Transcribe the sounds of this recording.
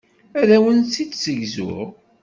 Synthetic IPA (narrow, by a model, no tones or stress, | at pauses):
æðæwənt͡sːit͡s̪ːsəʝzʊ̰ʁ